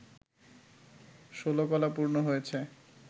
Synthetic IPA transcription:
ʃolokɔlapuɾnoɦojet͡ɕʰe

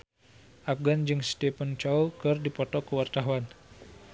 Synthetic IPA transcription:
ʔafɡand͡ʒɨŋst̪ɛpənt͡ʃaukɨrdipɔt̪ɔkəwart̪aɦuan

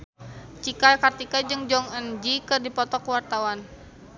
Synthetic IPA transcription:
t͡ʃikalkart̪ikad͡ʒɨŋd͡ʒɔŋənd͡ʒikɨrdipɔt̪ɔkwart̪awan

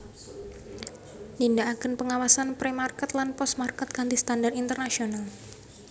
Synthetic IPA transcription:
nindaakənpəŋawasanpɾemarkɛt̪lanpɔst̪markɛt̪̚kant̪ist̪andarint̪ərnasional

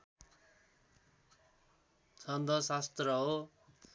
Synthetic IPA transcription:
t͡sʰʌnd̪ʱʌsast̪rʌɦo

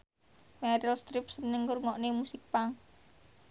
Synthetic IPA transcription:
mɛɾilst̪ɾip̚sənəŋːurŋɔʔnemusɪk̚paŋ

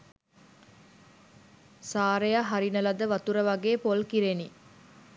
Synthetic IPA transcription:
saːɾejaɦaɾinəlɐd̪əʋɐt̪uɾəʋɐɡeːpolkiɾeni

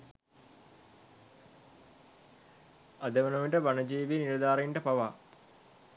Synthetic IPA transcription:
ad̪əʋənoʋiʈəʋanəd͡ʒiːʋiniɾɐd̪aːɾɐiɳʈəpaʋa

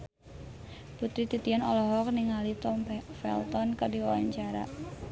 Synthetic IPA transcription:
put̪ɾit̪it̪ianɔlɔɦɔk̚niŋalit̪ɔmfɛ̰lt̪ɔnkərdiwawa̰ɲt͡ʃaɾa̰

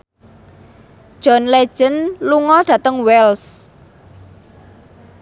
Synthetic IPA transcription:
ʒ̥ɔ̤nle̥ʒ̥ənluŋɔɖ̥ä̤t̪əŋwɛls

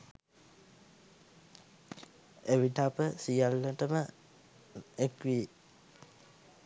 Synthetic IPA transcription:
eʋiʈapəsijalːəʈəmə | ekʋi

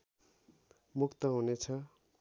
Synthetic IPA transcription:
mukt̪ʌɦunet͡sʰʌ

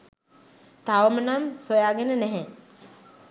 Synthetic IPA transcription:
t̪aʋəmənamsojaːɡenənɛɦɛ̃

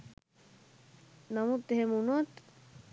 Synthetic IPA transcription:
namut̪ːeɦemunɔt̪

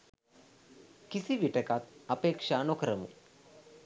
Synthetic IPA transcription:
kisiʋiʈəkat̪apeːkʂaːnokəɾəmṵ

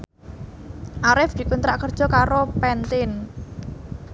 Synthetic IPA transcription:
ʔaɾɪfd̪̥i̤kunt̪ɾaʔkərd̥ʒ̥ɔ̤kaɾopɛnt̪ɪn

